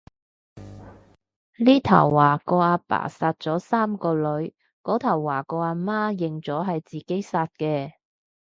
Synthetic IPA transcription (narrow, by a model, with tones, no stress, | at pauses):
liː˥t̪ʰɐ̰˨˩wːaː˨˩kɔː˧aː˧pa̰ː˨˩saː˧t̚t͡sɔː˨˥saː˥mkɔː˧lɵ˨˥ɥ | kɔː˨˥t̪ʰɐ˨˩wːaː˨˩kɔː˧aː˧maː˥jɪ˨ŋt͡sɔː˨˥ɦɐ˨jt͡siː˨ke˨˥jsaː˧t̚kɛː˧